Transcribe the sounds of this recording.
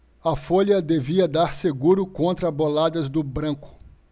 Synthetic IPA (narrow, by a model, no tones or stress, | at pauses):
ɐfoʎɐd̪eviɐd̪aɾseɡuɾʊkõnt̪ɾɐbolad̪ɐzd̪ʊbɾɐ̃kʊ̥